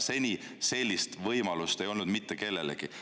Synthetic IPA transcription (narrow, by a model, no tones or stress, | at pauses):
se̞nʲi | se̞lʲːist̪vɤjmɑlust̪e̞jo̞lnud̪mit̪ːeke̞lːe̞lḛɡ̥i